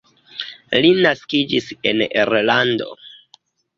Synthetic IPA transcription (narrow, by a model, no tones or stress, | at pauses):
linaskid͡ʒisḛneɾlando̞̰